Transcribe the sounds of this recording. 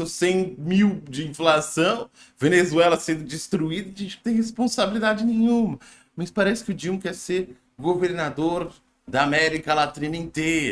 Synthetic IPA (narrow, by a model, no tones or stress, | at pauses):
õsẽj̃miwd͡ʒɪĩflasɐ̃w̃ | venezuɛlɐsẽnd̪ʊd͡ʒɪst̪ɾuid̪ɐʒẽd͡ʒɪkt̪ẽj̃hespõsabilid̪ad͡ʒɪnẽj̃ɲ̃ũmɐ | mɐspaɾɛsɪ̥kɪʊd͡ʒĩmkɛɾseɾ | ɡoveɾnad̪oɾ | d̪ɐamɛɾikɐlat̪ĩnɐẽt̪ejɾɐ